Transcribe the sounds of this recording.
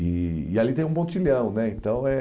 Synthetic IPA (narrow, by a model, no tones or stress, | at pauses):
iialit̪ẽj̃ũmõt͡ʃiʎɐ̃w̃nɛẽt̪ɐ̃w̃ɛ